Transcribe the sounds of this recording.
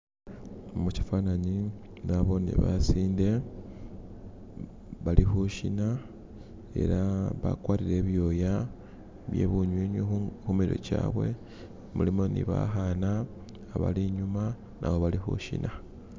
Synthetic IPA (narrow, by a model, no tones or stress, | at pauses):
omuci̥faːnaɲi | naβo̞niβasiːnde̞ | βalixuʃina | e̞̰ɾaβa̰kwaːɾiɾe̞βjo̞ja | βje̞̰ːβuɲwiːɲixumiɾo̞̰caːβwe̞̰ | mulimo̞nḭβaxanaː | βa̰liɲuma | nʔa̰βoβalixṵʃḭna